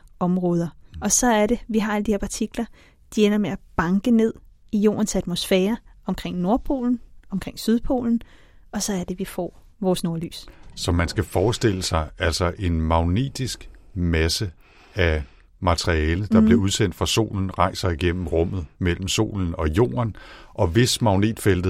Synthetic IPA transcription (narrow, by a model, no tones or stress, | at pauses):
ɒ̽mʁɔ̽ːð̞ˠɐɒ̽sɒ̽æɐɾe̝ʋiɦɑ̈æləd̥iheɐpʰɑ̈t͡sʰiɡ̥lɐ | d̥ienɐmeæb̥ɑ̈ŋɡ̥əne̝ð̞̰ˠijo̝̰ːɐnsæd̥mo̝sfɛːɐɒ̽mkʰʁeŋ̰no̝ɐpʰo̝̰ːln̩ɒ̽mkʰʁeŋ̰syðˠpʰo̝̰ːln̩ | ɒ̽sɒ̽æɐd̥e̝ʋifɒ̰ː | ʋɒːsno̝ɐly̰ːssɒ̽mænsɡ̥æfɒːsd̥e̝l̰əsɑ̈ɪæl̰sɒʔe̝nmɑ̈ʊnḛːd̥isɡ̥mæsə | æ | mɑt͡sʰʁiɛːləd̥ɑ̈b̥le̝uð̞ˠsen̰d̥fʁɑ̈so̝̰ːln̩ʁɑ̈ɪsɐiɡ̥en̰m̩ʁɔ̽m̰ð̞̩ˠmel̰m̩so̝̰ːln̩ɒ̽jo̝̰ːɐnʔɒ̽ʋe̝smɑ̈ʊnḛːd̥fel̰d̥ð̩ˠ